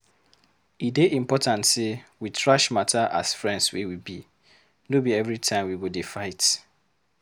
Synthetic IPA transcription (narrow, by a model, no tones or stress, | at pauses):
ideʔĩm̩pɔtʰãntsewitʰɹaʃmatʰaʔa̰sfɹɛ̃nswiwibi | nobiɛvɾitʰãɪ̃mwiwudefaɪt